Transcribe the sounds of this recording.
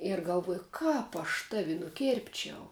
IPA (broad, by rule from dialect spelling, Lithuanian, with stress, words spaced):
ɪr ɡɐlˠˈʋuɔjʊ ˈkɑːp ɐʃ ˈtɑːʋʲɪ nʊˈkʲeːrʲpʲt͡ʃʲɛʊ